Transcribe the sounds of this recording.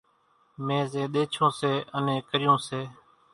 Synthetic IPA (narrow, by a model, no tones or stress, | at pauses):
mẽːzẽːɗ̪eːt͡ʃʰõːseːʔənẽːkəɾɪjõːseː